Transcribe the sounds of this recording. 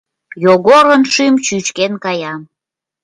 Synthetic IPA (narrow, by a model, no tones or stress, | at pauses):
joɣoɾənʃymt͡ɕyt͡ʃkenkɑjɑm